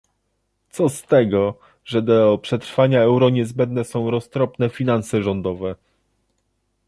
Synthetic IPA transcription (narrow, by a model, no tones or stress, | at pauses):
t̪sɔst̪ɛɡɔ | ʐɛd̪ɔpʂɛt̪ɾfaɲaɛwɾɔɲɛzbɛnd̪nɛsɔ̃w̃ɾɔst̪ɾɔpnɛfʲinansɛʐɔnd̪ɔvɛ